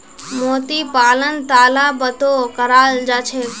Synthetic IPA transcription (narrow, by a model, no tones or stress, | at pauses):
moːt̪iːpaːlənt̪aːlaːbət̪oːkəɾaːld͡ʒaːt͡ʃʰeː